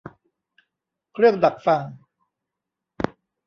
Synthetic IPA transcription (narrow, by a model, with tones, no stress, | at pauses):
kʰɾɯ˥˩əŋda˨˩k̚fa˧ŋ